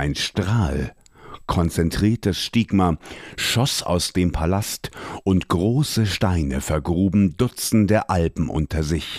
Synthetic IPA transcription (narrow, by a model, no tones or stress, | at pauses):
ʔaɪnʃtʁ̥aːl | kʰɔnt͡sɛntʁ̥iːɐtəsʃtɪɡmaʃɔsa̰ʊsd̥eːmpʰalastʔʊntɡ̥ʁoːsəʃtaɪnəfɛɐɡʁuːbm̩dʊt͡sn̩deːɐʔalpm̩ʔʊ̰ntʰɐzɪç